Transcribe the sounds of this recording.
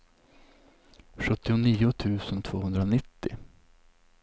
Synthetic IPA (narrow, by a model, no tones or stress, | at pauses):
ɧɵt̪ːɪʊniːʊt̪ʰʉ̟ːsənt̪ʰv̥oːhɵnd̪ɾanɪt̪ːɪ̰